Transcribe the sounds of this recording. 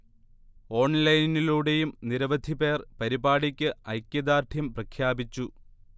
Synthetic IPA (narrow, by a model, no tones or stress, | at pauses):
o̞ːɳlɐjniluːɽe̞jumniɾɐʋɐd̪ʱibe̞ːrpɐɾibaːɽikʲːɨɐ̰jkʲːjɐd̪aːrt̪ʰjɐmprɐkʰjaːbit͡ɕːu